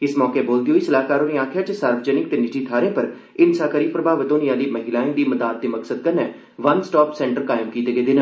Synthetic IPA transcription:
ɪsmɔːkeːboːld̪ijoːɪsəlaːkaːɾõːniaːkʰjaːt͡ʃəsaːɾʋəd͡ʒənɪk̚t̪eːnɪt͡ʃiːt̪ʰaːɾẽːpəɾ | ɪnsaːkəɾiːpɾəbʱaːʋət̪õːniaːliːmɐɦɪlaːẽːd̪iːməd̪aːd̪̚ːeːmɐksəd̪̚kəɾnɛː | ʋɐnsʈɔːpsɛ̃ːɳʈəɾkaːɪmkiːt̪eːɡeːd̪ɪnə

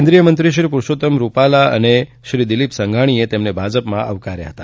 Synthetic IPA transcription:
end̪ɾijəmənt̪ɾiʃ̬ɾipuɾʃot̪əmɾupalaə̰ne | ʃɾid̪ilipsəŋɡʱaɽ̃iet̪emnebʱad͡ʒəpmãʔəʋkaɾja̰ɦət̪a

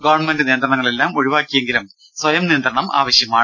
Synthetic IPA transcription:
ɡoːʋɐɳmendɨniːnd̪ɾrɐɳɐŋːɐɭe̞lːaːmoɻiʋaːkːijeŋɡilum | sʋɐjɐmniːnd̪rɐɳɐma̰ːʋɐɕjɐmaːɳ

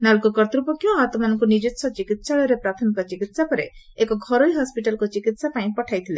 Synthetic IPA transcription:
nalkukɔɾt̪ɾupɔkjoɦat̪ɔmanɔŋkunid͡ʒit̪sʰɔt͡ʃikit̪saɭɔɾepɾat̪ʰɔnikɔt͡ʃikit̪sapɔɾe | ekɔɡʱɔɾojɦɔspiʈalɔkut͡ʃikit̪sapaĩpɔʈʰajt̪ʰile

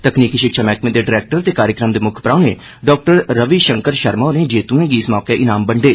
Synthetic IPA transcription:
t̪əkniːkiːʃɪkʃaːmɛːkmẽːd̪eːɖɪɾɛːk̚ʈəɾt̪eːkaːɾjəkɾəmd̪eːmʊkʰpɾaːɳeː | ɖɔːk̚ʈəɾːəʋiːʃəŋkəɾʃəɾmaːɾẽːd͡ʒeːt̪ũẽːɡiːɪsmɔːkeːʔɪnaːmbəɳɖeː

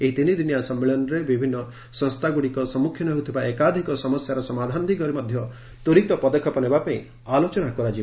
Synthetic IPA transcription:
eɦit̪inid̪injasɔmːeɭɔnɔɾebibʱinːɔ | sɔ̃ŋst̪ʰaɡuɽikɔsɔmukʰjɔnɔɦut̪ʰibaekad̪ʱikɔsɔmɔsjaɾɔsɔmad̪ʱand̪ʱikɔɾimɔd̪ʱjɔ | t̪uɾit̪ɔpɔd̪ɔkʰːɔpɔnebapaĩ | alot͡ʃɔnakɔɾad͡ʒi

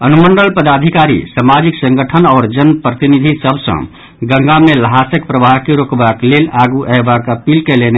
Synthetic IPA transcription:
ənumənɖəlpəd̪ad̪ʱikaɾḭsamad͡ʒiksə̃ŋɡəʈʰənɔːɾd͡ʒənpɾət̪inid̪ʱisəbʱsə̰̃ | ɡə̃ŋɡameləɦasəkpɾəbʱaɦkeɾokbaklelaɡuʔɛɦbakəpilkelene

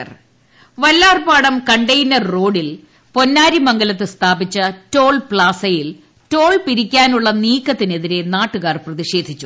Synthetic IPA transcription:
r | ʋɐlːaːrpaːɽɐmkɐɳɖɐjnɐrːo̞ːɽil | po̞nːaːɾimɐŋɡɐlɐt̪ːɨst̪ʰaːbit͡ɕːɐto̞ːɭpɭaːsɐjil | to̞ːɭpiɾikʲːaːnuɭːɐniːkːɐt̪ːine̞ðiɾe̞naːʈːuɣaːrprɐðiɕe̞ːd̪ʱit͡ɕːu

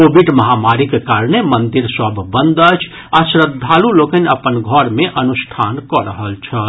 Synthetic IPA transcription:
koːbiɖməɦamaɾikekaɾnemənd̪iɾsəbʱːə̃nd̪ət͡ʃʰ | aʃɾəd̪ʱːalulokənəpənɡʱəɾmeʔənuʃʈʰaːnkɔɾəɦəlt͡ʃʰə

